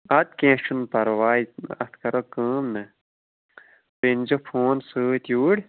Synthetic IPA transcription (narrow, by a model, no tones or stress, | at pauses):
ɐt̪̚kẽːʃunpɐɾwaːiɐ̰t̪ʰkɐɾokəːmnɐ | pend͡ʒofʰoːnsɨːt̪juːɽ